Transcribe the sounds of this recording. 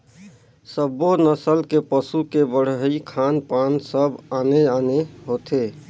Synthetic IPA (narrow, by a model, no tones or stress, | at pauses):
səbonəsəlkepəsukebəɽ̤ɦəikʰaːnpaːnsəbaːneaːneɦoːt̪eː